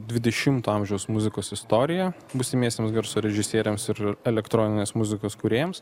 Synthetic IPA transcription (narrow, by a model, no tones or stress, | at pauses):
d̪ʲʋʲɪd̪ʲɛʃʲɪmt̪oːɐmʲʒʲɛʊsmʊzʲɪkoːsɪst̪oːɾʲɪjɛ | bʊsʲɪmʲiɛsʲt̪ʲemsɡɐɾsoːɾʲɛʒʲɪsʲiɛɾʲɛmsɪɾɛlʲɛkt̪ɾoːnʲɪnʲeːsmʊzʲɪkoːskʊɾʲeːjɛms